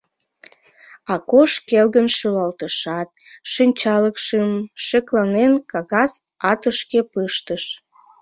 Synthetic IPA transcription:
ɑkoʃkelɣənʃylɑlt̪əʃɑt̪̚ | ʃinʲt͡ɕɑləkʃəmʃeklɑnenkɑɣɑz | ɑt̪əʃkepɯʃt̪əʃ

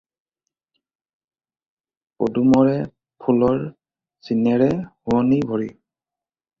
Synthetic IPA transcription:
po̰dumɔɹɛ | pʰulɔɹ | sinɛɹɛhuɔnibʱɔɹi

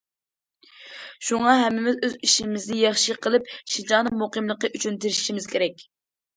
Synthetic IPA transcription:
ʃuŋɑɦɛmːɪmɪzøziʃimɪznɪjɑχʃɨqʰəlˠɨp̚ʃid͡ʒɑnɨmoqəmlˠəqːəʔyt͡ʃʰynt̪ʰeɾʃi̥ʃimɪz̥kʲʰeɾɛkʲ

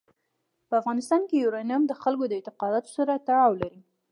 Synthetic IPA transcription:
pəafɣɑnɪst̪ɑnkejuɾɑnamd̪əxalkod̪əɪnt̪ɪqɑd̪ɑt̪o̥saɾat̪aɽɑwlaɾi

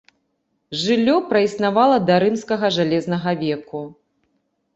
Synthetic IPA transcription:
ʐɨlʲːɔpɾɐisnavalˠɐd̪ɐɾɨmskɐɣɐʐalʲɛzn̪ɐɣɐvʲɛku

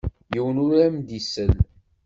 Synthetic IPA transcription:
jəwənʊɾæmd̪isəl

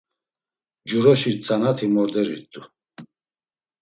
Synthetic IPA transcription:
d͡ʒuɾɔʃit͡sʼanat̪ʰimɔɾd̪ɛɾḭɾt̪ʼu

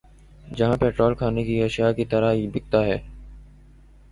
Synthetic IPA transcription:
d͡ʒɐɦãːpɛːʈɾoːlkʰaːnekiɐʃɪjakit̪əɾaɦiːbɪk̚t̪aːɦɛː

